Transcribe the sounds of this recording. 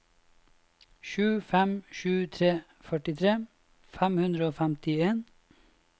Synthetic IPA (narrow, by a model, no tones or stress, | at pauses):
ʃʉːfɛmʃʉːt̪ʰɾeː | fœʈɪt̪ʰɾeː | fæmhʉnd̪ɾəoːfɛmt̪ɪeːn